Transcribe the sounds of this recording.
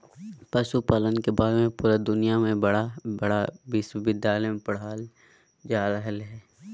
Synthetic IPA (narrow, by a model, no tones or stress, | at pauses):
pəʃupaːlənkebaːɾemẽpuːɾad̪ʊnijamẽbɐɽabɐɽabɪswbɪd̪jaːlempɐɽ̤aːl | d͡ʒaːɾəɦəlɦɛː